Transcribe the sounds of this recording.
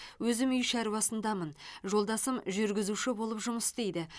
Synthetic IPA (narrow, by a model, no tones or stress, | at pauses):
wɵzɪmʏjʃæɾwɑsənd̪ɑmənʒo̞lˠd̪ɑsəmʒʏɾɡʲɪzuʃɪbo̞lˠəpʒʊməst̪e̞jd̪ɪ